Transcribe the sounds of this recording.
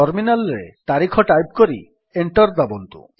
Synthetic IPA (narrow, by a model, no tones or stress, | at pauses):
ɔɾminalɾet̪aɾikʰɔʈajp̚koɾḭ | eɳʈɔɾd̪abont̪ṵ